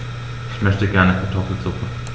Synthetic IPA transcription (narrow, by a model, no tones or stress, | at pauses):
ʔɪçmœçtəɡɛɐnəkʰaɐtʰɔfl̩t͡sʊkŋ̩